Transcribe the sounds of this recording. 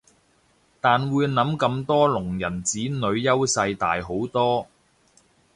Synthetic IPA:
t̪aː˨nwuː˨˧jnɐ˨˥mkɐ˧mt̪ɔː˥lʊ˨˩ŋjɐ˨˩nt͡siː˨˥nɵ˨˧ɥjɐ˥wsɐ˧jt̪a̰ː˨˩jɦo˨˥wt̪ɔː˥

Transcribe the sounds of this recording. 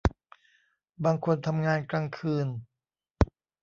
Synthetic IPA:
baː˧ŋkʰo˧nt̪ʰa˧mŋaː˧nkɾaː˧ŋkʰɯː˧n

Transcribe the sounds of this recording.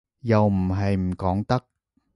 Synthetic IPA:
jɐ˨wm̩˨˩ɦɐ˨jm̩˨˩kɔː˨˥ŋt̪ɐ˥k̚

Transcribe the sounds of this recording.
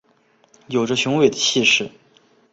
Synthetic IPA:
jo˨˩ʊʈ͡ʂə˦ɕʊ˧˥ŋwe˨˩ɪd̪ə˦ɕi˥˧ʂɻ̩˥˩

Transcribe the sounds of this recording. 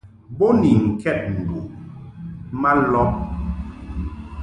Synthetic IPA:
bo˦ni˨ŋ̩˨kɛ˦˨t̚n̩˨du˨ | ma˦lɔ˦p̚

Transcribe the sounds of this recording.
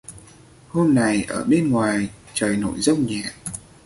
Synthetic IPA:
ho˧mna˨˩jʔəː˧˩ɓe˧nŋwaː˨˩j | t͡ɕəː˨˩jno̰˧˨jzə˧wŋ͡mɲɛ̰˧˨ʔ

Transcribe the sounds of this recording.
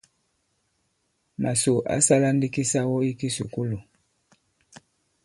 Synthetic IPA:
ma˨so˨ʔa̰˨˦sa˦la˦n˦di˦ki˦sa˦wɔ˦i˦ki˦sṵ˨ku˦lu˨

